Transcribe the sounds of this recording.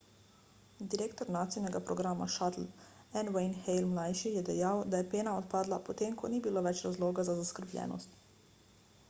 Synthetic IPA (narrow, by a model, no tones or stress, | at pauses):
d̪iɾeːkt̪ɔɾnaːt̪sijnɛɡapɾɔɡɾaːma̰ʃat̪l̩ | ɛnwɛjnxɛjlmlajʃijɛd̪ɛjawd̪ajɛpeːnaɔt̪̚paːd̪lapɔt̪eːmkɔniːbiloːʋɛt͡ʃɾazloːɡazazaskəɾblʎʲɛ̰ːnɔ̰st̪